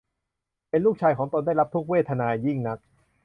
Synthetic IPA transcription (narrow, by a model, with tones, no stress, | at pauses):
pe˧nluː˥˩k̚t͡ɕʰaː˧jkʰɔː˩˦ŋt̪o˧ndaː˥˩jɾla˦˥p̚t̪ʰu˦˥k̚weː˥˩t̪ʰa˧naː˧ji˥˩ŋna˦˥k̚